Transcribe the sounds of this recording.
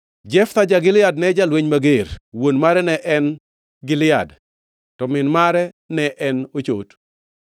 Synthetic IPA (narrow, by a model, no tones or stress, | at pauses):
d͡ʒɛft̪ad͡ʒaɡɪlɪjadnɛd͡ʒalweɲmaɡeɾwonmaɾɛnɛʔɛn | ɡɪlɪad | tɔmɪnmaɾɛ | nɛʔɛnot͡ʃo̰t